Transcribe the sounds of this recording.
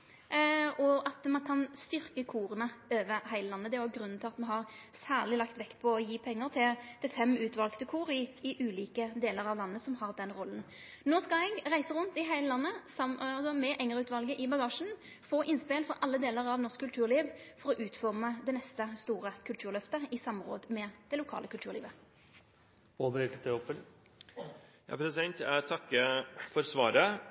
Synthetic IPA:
ʔɔɑt̪mɑnkʰɑnst̪ʏɾkəkʰuːʁənəøːʋəhæɪləlɑnːəd̪ɛæɡɾʉnːn̩t̪ʰɪlɑt̪mɛɦɑʁsæːʁlɪlɑkt̪ʋɛkt̪pʰɔɔjiːpʰɛŋːəʁt̪ʰɪld̪̥ɛfɛmʉːt̪ʋɑlkt̪əkʰuːɾɪɪʔʉːliːkəd̪eːləʁɑʋlɑnːəsɔmhɑʁd̪ɛnɾɔln̩ | noːskɑɛɡɾæɪsəɾʉnt̪ɪɦæɪləlɑnːəsɑmsɔmɛʔɛŋəʁʉːt̪ʋɑlɡəʔɪbɑɡɑːʃn̩ | foːʔɪnspeːlfɔɾʔɑlːəd̪eːləʁɑʋnɔʁʂskːʉlt̪ʰʉːʁliːʋfɔʁɔʔʉːt̪fɔʁməd̪ɛnɛst̪əst̪uːʁəkʰʉlt̪ʰʉːʁlœft̪əɪsɑmːʁo̰ːd̪mɛd̪̥ɛlʊkʰɑ̰ːləkʰʉlt̪ʉːʁliːʋə | oːʋəɾekət̪əɔpːən | jɑ̰pʰɾɛsɛnt̪æt̪ʰɑkːəfɔɾsʋɑːɾə

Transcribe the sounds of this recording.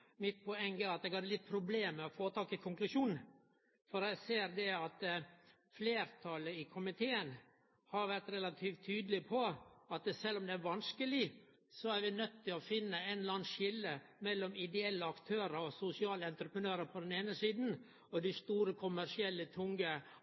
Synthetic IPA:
mɪt̪̚pʰɔɛŋːəɾɑt̪ɛɡhɑd̪ːəlɪt̪̚ːpʰɾʊbleːmɛɔfoːt̪ʰɑːkɪkʰʊŋklʉʂuːn | fɔɾɛɪɡseːɾd̪ɛɑt̪ | fleːɾt̪ʰɑləɪkʰʊmɪt̪ʰeːən | hɑɾʋæɾt̪ɾɛlɑt̪ʰiːft̪ʰːyːd̪lɪpʰɔɑt̪sɛlːɔmd̪ɛæɾʋɑnskəlɪ | sɔæɾʋɪnœt̪ːɪlɔfɪnːəɛnlɑːnʃɪlːəmɛlːɔmɪd̪ɛɛlːəɑkt̪ʰøːɾəɔsʊsɪɑːləɛnt̪ɾəpɾənøːɾəpʰɔd̪ɛneːnəsiːd̪n̩ | ɔd̪ɪst̪uːɾəkʰʊmæɾʂɪɛlːət̪ʰʊŋɡə

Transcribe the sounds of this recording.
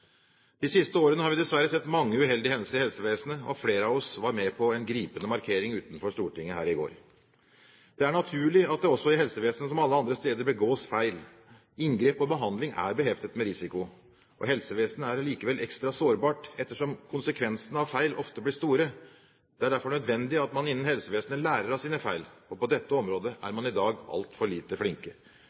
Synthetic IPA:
d̪̥ɪsɪst̪əoːɾənəhɑɾʋɪd̪ɛsʋæɾːəsɛt̪ːmɑŋːəʉɦɛld̪ɪhɛnsəɾɪhɛlsəʋeːsənəɔfleːɾəɑʋɔsʋɑɾmɛpʰɔɛnɡɾiːpənəmɑɾkʰeːɾɪŋʉːt̪n̩fɔʂt̪uːʈɪŋːəhæ̰ːɾɪɡo̰ːɾ | d̪̥ɛæɳɑt̪ʰʉːɭɪɑt̪̚d̪ɛɔsːɔɪhɛlsəʋeːsənəsɔmɑlːəɑnd̪ɾəst̪eːd̪əɾbəɡoːsfæɪl | ɪŋɡɾeːpɔbəɦɑnd̪lɪŋæ̰ɾbəɦɛft̪ət̪mɛɾɪsɪkʊ | ʔɔ̰ɦɛlsəʋeːsnəæɾliːkəʋɛlʔɛkst̪ɾɑsoːɾbɑːʈɛt̪ːəʂɔmkʰʊnsəkʰʋɛnsənɑʋfæɪlʔɔft̪əblɪʂt̪uːɾə | d̪̥ɛæɖæɾfɔɳœd̪ʋɛnd̪ɪɑt̪mɑnɪnːənhɛlsəʋeːsnəlæːɾəɾɑsiːnəfæɪlɔpɔd̪ɛt̪ːəɔmɾoːd̪əʔæ̰ɾmɑnɪd̪ɑːɡɑ̰lt̪fɔɭiːt̪əflɪŋkə

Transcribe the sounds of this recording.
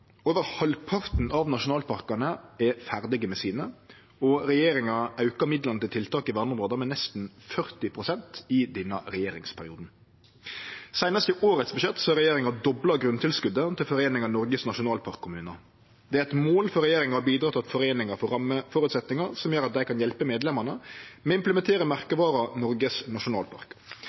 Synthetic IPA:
oːʋəɾhɑlpʰɑɾt̪n̩ʔɑʋnɑʃʊnɑːlpʰɑɾkɑnəɛfæɾd̪ɪɡəmɛsiːnə | ɔɾɛjeːɾɪŋɑɑʉkɑmɪd̪ləɾnət̪ɪlt̪ʰɪlt̪ɑːkɪʋænɔmɾoːd̪əmɛnɛst̪n̩fœɾt̪ɪpʰɾʊsɛnt̪ɪd̪ɛnːɑɾɛjeːɾɪ̰ŋspʰæɾɪuːd̪n̩ | sæɪnɑst̪əʔoːɾət̪sbəʃɛt̪ːsɔhɑɾɛjeːɾɪŋɑd̪ɔblɑɡɾʉnt̪ʰɪlskʉd̪ːət̪ʰɪlfɔɾeːnɪŋɑnɔɾɡəsnɑʂʊnɑːlpʰɑɾkʰːʊmʉːnə | d̪ɛæɾɛt̪moːlfɔɾɛjeːɾɪŋɑbiːd̪ɾɑːt̪ʰt̪fɔɾeːnɪŋɑfɔɾɑməfɔɾʉt̪sɛt̪nɪŋɑɾsɔmjøːɾɑt̪̚d̪æɪkʰɑnjɛlpəmeːd̪lɛmɑnəmɛɪmpləmɛnt̪ʰeːɾəmæɾkəʋɑːɾɑnɔɾɡəsnɑʂʊnɑːlpʰɑ̰ɾk

